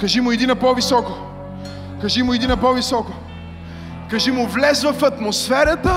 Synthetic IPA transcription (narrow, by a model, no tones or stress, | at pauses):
kɐʒimʊɛd̪inɐpɔvisɔko | kɐʒimʊɛd̪inɐpɔvisɔko | kɐʒimʊvlɛzvɐfɐt̪mosfɛɾɐt̪ə